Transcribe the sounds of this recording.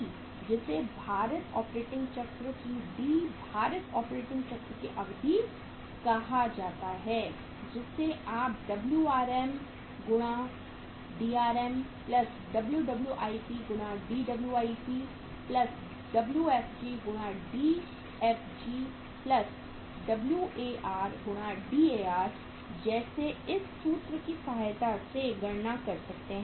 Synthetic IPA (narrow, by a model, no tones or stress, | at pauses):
d͡ʒɪsebʱaːɾət̪ɔːpɾeːʈɪ̃ŋɡt͡ʃɐkt̪ɾkiɖiːbʱaːɾət̪ɔːpɾeːʈɪ̃ŋɡt͡ʃɐk̚t̪ɾkeʔɐɡd̪ʱi | kɐɦad͡ʒaːt̪aɦɛː | d͡ʒɪsːeʔaːp̚ɖɐbljuaːɾɛm | ɡʊɽ̃a | ɖiːaːɾɛmplɐs | ɖɐbljuɖɐbljuʔaːipiɡʊɽ̃ãɖiːɖɐbljuaːipiː | plɐs | ɖɐbljuɛːfd͡ʒiːɡʊɽ̃ãɖiː | ɛːfd͡ʒiː | plɐs | ɖɐbljuʔeːʔaːɾɡʊɽ̃ãɖiːeːaːɾ | d͡ʒɛːseɪsːuːt̪ɾəkisɐɦaːjt̪aseɡɐɽnakɐɾsɐk̚t̪eɦɛ̃